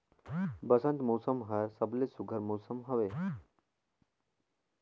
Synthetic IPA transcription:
bɐsɐ̃nt̪mowsəmɦɐjɾsəblesuɡʱəɾmowsəmɦɐʋe

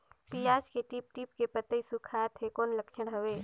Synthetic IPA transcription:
p̪ijaːd͡ʒkeʈip̚ʈipkepət̪əisukʰaːt̪ʰekoːnləkʃənɦəʋeː

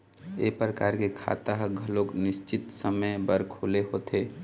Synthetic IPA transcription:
epɾəkaːɾkekʰa̰ːt̪aɦɡʱəloːknɪst͡ʃɪt̪səməjbəɾkʰoːleɦoːt̪ʰeː

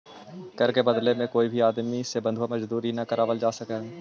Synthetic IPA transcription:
kəɾkebəd̪lemẽkoːibʱiaːd̪misebə̃nd̪ʱuwamɐd͡ʒd̪uːɾinakəɾaːʋəld͡ʒaːsəkeː

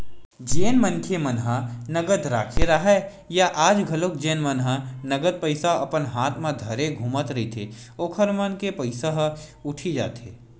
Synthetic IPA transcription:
d͡ʒeːnmənkʰemənɦənɐɡəd̪ɾaːkʰeɾaɦa | jaʔaːd͡ʒɡʱɐlokd͡ʒeːnmənɦənɐɡəd̪̚pəɪsaɐpənɦaːt̪ʰmãd̪ʱɐɾeɡʱuːmət̪ɾɐɦit̪ʰe | oːkʰəɾmənkepəɪsaɦʊʈʰid͡ʒa̰ːt̪ḛː

